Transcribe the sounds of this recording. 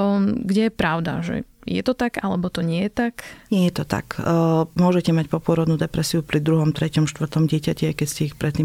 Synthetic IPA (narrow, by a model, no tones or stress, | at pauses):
ɡɟɛjɛpɾaʊd̪a̰ʒɛ̰jɛ̰t̪ɔt̪aɡalɛbɔt̪ɔɲɪɛjɛt̪akɲɪɛjɛt̪ɔt̪a̰kmʊɔʒɛcɛmac̚pɔpʊɔɾɔd̪nuːd̪ɛpɾɛsiupɾid̪ɾuɦɔmt̪ɾɛcɔmʃt̪ʋr̩t̪ɔmɟɪɛcacɛaɪkɛscɛixpɾʔɛt̪ːiːm